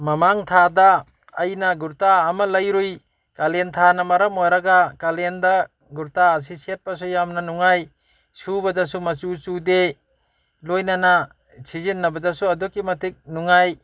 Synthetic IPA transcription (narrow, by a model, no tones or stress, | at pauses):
mamaŋtʰadaː | jnaɡuɾtaːmalɐjɾuj | kalent̪ʰanamɐɾamojɾaɡakalenda | ɡuɾtaːs̬isiet̚pas̬ujamnanuŋaj | subadasumɐt͡ʃut͡ʃude | lojnana | sizinːɐbadasuɐdɔkimɐtik̚nuŋaj